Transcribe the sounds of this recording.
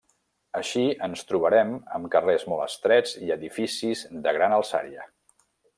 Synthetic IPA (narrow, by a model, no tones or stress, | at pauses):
əʃiənst̪ɾuβ̞əɾɛmə̰mkərezmɔlˠə̰st̪ɾɛd͡ziəðifisizðəɣɾanəlˠsa̰ɾiə̰